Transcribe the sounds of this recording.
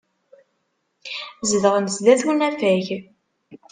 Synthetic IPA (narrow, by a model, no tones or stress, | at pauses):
zðʁənzðæθunæfæʝ